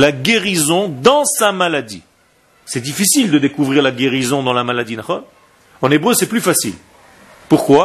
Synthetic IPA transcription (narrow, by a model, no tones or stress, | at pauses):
laɡʲeʁizɔ̃d̪ɑ̃samalad̪ḭ | sɛd̪ifisild̪əd̪ekuvʁiʁlaɡʲeʁizɔ̃d̪ɑ̃lamalad̪inaχɔn | ɑ̃nebʁøsɛplyfasḭl | puʁkwa